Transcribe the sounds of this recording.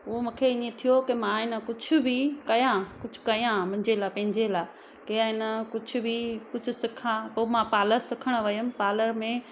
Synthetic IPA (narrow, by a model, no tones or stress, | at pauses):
ʊɦomũːkʰeɪniet̪ʰijokemãɪnə̆kʊd͡ʑʰʱʊ̆bʱikɐjãkʊd͡ʑʱʊ̥kɐjãmɐ̃ɲd͡ʑelaːpɐ̃ɦɪ̃ɲd͡ʑelaː | keɪnəkʊd͡ʑʰʱʊ̆bʱikʊd͡ʑʱʊsɪkʰãpomãpaːləɾsɪkʰəɽ̃ʋɐjəmpaːləɾmẽ